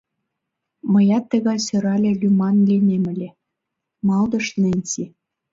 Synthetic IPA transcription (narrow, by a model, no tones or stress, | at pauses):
mɤ̆jɑt̪ːə̆ɣɑjsøɾɑlʲĕlʲymɑnlʲinʲemɘ̆lʲĕ | mɑld̪ɤ̆ʃnĕnʲsi